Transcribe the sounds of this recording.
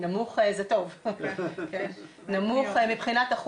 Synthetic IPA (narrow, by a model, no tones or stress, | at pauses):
namuχezeto̞v | ken | namuχmibχinat̪aχ